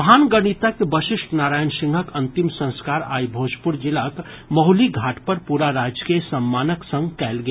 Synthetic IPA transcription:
ɦaːnɡəɽ̃it̪akbəʃɪʃʈnaːɾaːjənsɪ̃ŋɡʱəkɐ̃nt̪ɪmsə̃nskaːɾa̰ːjbʱoːd͡ʒpʊɾd͡ʒɪlak | mɐɦʊliɡʱaːʈʰpɐɾpuːɾaɾaːd͡ʒkesɐmːaːnəksə̃ŋɡkɛːlɡe

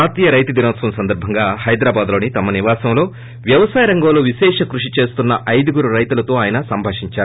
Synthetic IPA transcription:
aːt̪iːjɐɾɐjt̪ud̪inɐːt̪sʋɐmsɐnd̪ɐɾbʱɐŋɡaːhɐjd̪ɾaːbaːd̪lo̞ːnit̪ɐmɐniʋaːsɐmlo̞ː | ʋjɐʋɐsaːjɐɾɐŋɡɐːloːʋiʃɛːʂɐkɾuʂit͡ʃe̞ːst̪unːɐʔɐjd̪iɡuɾuɾɐjt̪ulɐt̪o̞ːaːjɐnɐsɐmbʱaːʂiɲt͡ʃaːɾu

